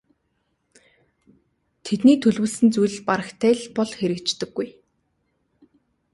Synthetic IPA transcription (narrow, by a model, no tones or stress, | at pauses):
t̪ʰet̪niːt̪ʰɵɮwɘ̆ɮsɘ̆nt͡sujɮ̆paɾə̆xt̪ʰæːɮpɔɮxeɾɘ̆kt͡ɕt̪ɘ̆ɡ̥ːuj